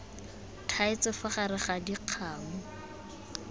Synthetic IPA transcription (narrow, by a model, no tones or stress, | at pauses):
tʰaɪt͡sɪfʊχaɾɪχadiq͡χʰaːŋʊ